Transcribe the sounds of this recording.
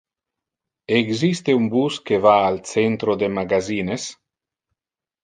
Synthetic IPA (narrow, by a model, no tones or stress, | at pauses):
eɡzist̪eumbuskevaːlt͡sent̪ɾod̪emaɡaziːnes